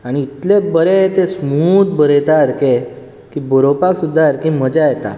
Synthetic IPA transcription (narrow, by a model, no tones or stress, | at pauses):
aɽ̃iːt̪lebəɾet̪esmut̪bəɾet̪aɾke | kiboɾopaksud̪ʱːaɾkim̤əd͡ʑajet̪a̰